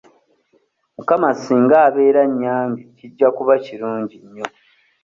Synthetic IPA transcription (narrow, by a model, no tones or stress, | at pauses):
mukamasiŋɡaːβe̞ːɾaɲːaːmbiciɟːakuβaciɾuːɲɟiɲːo̞